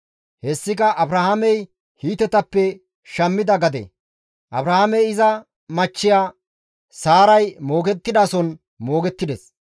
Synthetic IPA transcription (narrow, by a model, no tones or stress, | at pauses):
hɛsːɪkɐʔɐbɾɐhamɛj | hiːt̪ɛt̪ɐpːɛ | ʃɐmːɪd̪ɐɡɐd̪ɛ̰ | ʔɐbɾɐhɐmɛjɪzɐ | mɐt͡ʃːɪjaː | saːɾɐjmoːɡɛt̪ːɪd̪aːsɔn | mo̞ːɡɛt̪ːɪd̪ɛs